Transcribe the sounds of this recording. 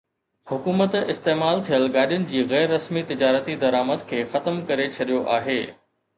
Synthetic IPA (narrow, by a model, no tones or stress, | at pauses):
hʊkuːmət̪ɪst̪eːmaːlt̪ʰijəlɠaːɗijʊnɪ̆d͡ʑiːɣɛːɾːɐsmit̪ɪd͡ʑaːɾət̪id̪ɐɾaːməd̪kʰeːxɐt̪əmkɐɾet͡ɕʰɐɗijoʔaːɦeː